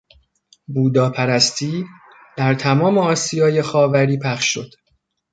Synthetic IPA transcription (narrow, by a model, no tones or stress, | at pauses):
buːd̪ɒːpʰæɾæst̪ʰiː | d̪̥æɾt̪ʰæmɒːme̞ɒːsijɒːje̞xɒːvæɾiːpʰæχʃːo̞d̪̥